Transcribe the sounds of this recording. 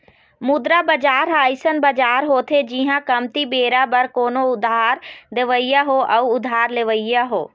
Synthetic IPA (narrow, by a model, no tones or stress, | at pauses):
mud̪ɾabɐd͡ʒaːɾɦaːjsənbɐd͡ʒaːɾɦoːt̪ʰed͡ʒiːɦãkɐmt̪ibeːɾabɐɾkoːnoʊd̪aːɾd̪eʋəijaɦoːʔɐuʊd̪ʱaːɾleʋəijaɦoː